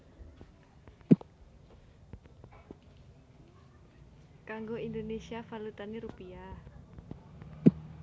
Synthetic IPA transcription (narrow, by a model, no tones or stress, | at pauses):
kaŋɡoind̪onesiafalut̪aniɾupia